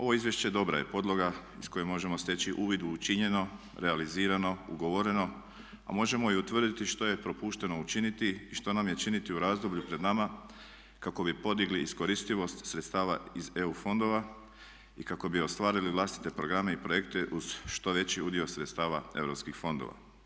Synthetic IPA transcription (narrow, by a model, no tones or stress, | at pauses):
o̞ʋo̞izʋjeʃt͡ɕe̞d̪o̞bɾa̰je̞po̞d̪lˠo̞ɡaisko̞jemo̞ʒe̞most̪e̞t͡ɕiʔuːʋid̪uːt͡ʃiɲe̞no̞ | ɾealiziːɾano̞ṵɡo̞ʋo̞ɾe̞no̞ | a̰mo̞ʒe̞mo̞iut̪ʋr̩d̪it̪iʃt̪o̞je̞pɾo̞puːʃt̪e̞no̞ut͡ʃinit̪iːʃt̪o̞namje̞t͡ʃinit̪iuɾaːzd̪o̞bʎupɾe̞d̪nama | kako̞bipo̞d̪iɡliːsko̞ɾist̪iʋo̞st̪sɾet̪st̪aːʋa̰izeufo̞nd̪o̞ʋa | ikako̞bio̞st̪ʋaːɾiliʋlˠaːst̪i̥t̪e̞pɾo̞ɡɾame̞ipɾo̞je̞kt̪e̞ʔuz̥ʃt̪o̞ʋe̞t͡ɕiud̪io̞sɾet̪st̪aːʋae̞ʋwɾopskixfo̞nd̪o̰ʋa̰